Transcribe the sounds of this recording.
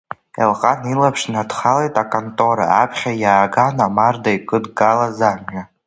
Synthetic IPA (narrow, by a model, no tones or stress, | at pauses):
a̰lqʼanilapʰʂnadχalejtʼakʼontʼo̞ɾa̰ːpʰχʲajaːɡanamardaikʼɨdɡalazamɥa